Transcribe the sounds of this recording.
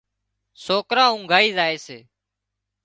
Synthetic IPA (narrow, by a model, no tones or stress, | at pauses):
soːkɾãːũːŋɡʱaːiːzaːeːseː